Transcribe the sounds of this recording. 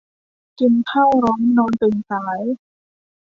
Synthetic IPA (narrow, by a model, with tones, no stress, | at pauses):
ki˧nt̪ʰaː˥˩wɾɔː˦˥ŋnɔː˧nt̪ɯ˨˩ŋsaː˩˦j